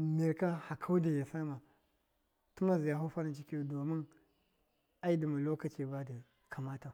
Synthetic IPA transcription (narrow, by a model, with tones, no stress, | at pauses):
mi˨ɾka˦ha˨kʰa˦wdi˨ja˨sa˦ma˨ | tu˦ma˦zi˨ja˨ɦu˦fa˦na˨t͡ʃi˦ki˦jdo˨mi˦n | a˦i˦di˨ma˨lo˦ka˨t͡ʃi˦ba˦di˨ | kʰa˨ma˦ta˨